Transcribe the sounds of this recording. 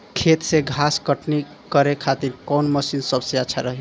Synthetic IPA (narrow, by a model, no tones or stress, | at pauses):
kʰet̪seɡʱaskəʈni | kəɾekʰat̪iɾkɔwnməsinsəbseaːt͡ʃʰaɾəɦe